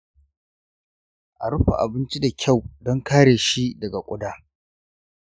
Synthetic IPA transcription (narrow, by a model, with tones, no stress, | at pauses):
ʔa˨ɽʊ˦ɸa̰˨ʔa̰˨bɪ˦nt͡ʃi˦da˨kʲʰa˦˨wdɔ˦ŋkaː˦ɽeː˨ʃi˦dɐ˨ɡa˨kʷʼʊ˦daː˦